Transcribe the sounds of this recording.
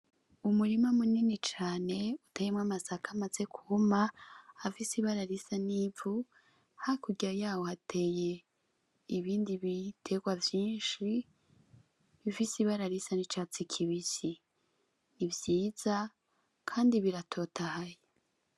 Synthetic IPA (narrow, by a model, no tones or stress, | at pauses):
umuɾimamuninit͡ʃaːne̞utejemŋamasakʰamat͡se̞kʰuhumaafisiβaɾaɾisanivu | hakuɡiajaːwohatʰe̞je̞ | iβiːndiβitʰe̞ɡ̥wavjiːnʃi | βifisiβaɾaɾisanit͡ʃaːt͡sikʰiβisi | nivjiːz̥a | kʰaːndiβiɾatʰo̞ːtʰahaje